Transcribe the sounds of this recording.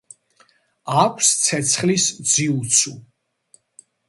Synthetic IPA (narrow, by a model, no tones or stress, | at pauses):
akʷʰst̪sʰɛt̪sʰχlisd̪ziut̪sʰu